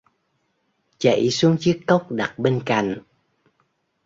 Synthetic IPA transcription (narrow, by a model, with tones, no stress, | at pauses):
t͡ɕə̰˧˨jsu˨˦əŋt͡ɕɨ˦˥əkːə˦˥wk͡p̚ɗa˨˩t̚ɓe˧nka̰˧˨jŋ̟